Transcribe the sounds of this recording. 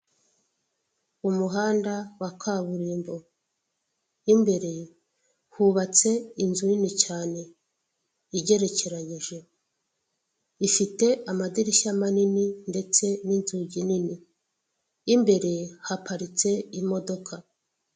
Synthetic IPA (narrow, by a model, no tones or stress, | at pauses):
umuɦaːndawakʰaβuɾiːmbo̞ | imbe̞ɾe̞ | huβat͡se̞inzuninit͡ʃaːne̞ | iɟe̞ɾe̞ce̞ɾaɲiʒe̞ | ifite̞ʔamadiɾiʃamanininde̞t͡se̞ninzuɟininiː | mbe̞ɾe̞hapaɾit͡se̞imo̞do̞kʰa